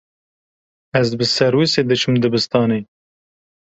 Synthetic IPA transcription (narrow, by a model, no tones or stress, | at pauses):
æzbɨsɛɾwised̪ɨt͡ʃʰɨmd̪ɨbɨst̪ɑːneː